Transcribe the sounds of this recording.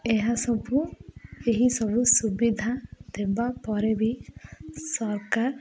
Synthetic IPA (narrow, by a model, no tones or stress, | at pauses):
eɦasɔbʱueɦisɔbʱusubid̪ʱad̪ebapɔɾebi | sɔɾkaɾ